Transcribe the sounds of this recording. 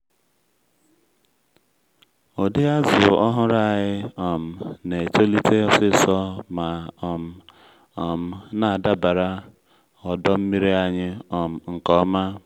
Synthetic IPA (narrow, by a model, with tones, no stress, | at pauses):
o˨di˦a˦zʊ̰˨ɔ˦ɦʊ˦ɾa˦˨ɣɪ˦ɔ˨m̩˨ne˨t͡ʃo˦li˦te˦ɔ˨sɪ˦˨sɔ˦ma˨ɔ˨m̩˨ | ɔ˨m̩˨na˨a˨da˦ba˨ɾa˦ | ɔ˨dɔ˦m̩˦mi˦ɾi˦a˨ɲɪ˦ɔ˨m̩˨ŋ̩˨kɔ˦ma˦